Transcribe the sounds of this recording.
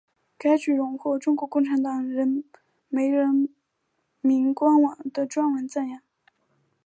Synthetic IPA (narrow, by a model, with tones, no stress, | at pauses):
ka˥ɪt͡ɕy˨˩ɻʊ˧˥ŋxwɔ˥˩ʈ͡ʂʊ˥ŋkwɔ˧˥kʊ˥˩ŋʈ͡ʂʰa˧˥nt̪ɑ˨˩ŋɻə˧˥n | me˧˥ɪɻə˧˥n | mi˧˥ŋkwa˥nwɑ˨˩ŋd̪ə˧ʈ͡ʂwa˥nwə˧˥nt͡sə˥˩njɑ˥˩ŋ